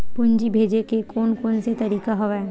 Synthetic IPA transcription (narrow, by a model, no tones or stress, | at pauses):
pʊnd͡ʒibʱed͡ʒekekoːnkoːnset̪ɐɾiːkaɦɔʋɛ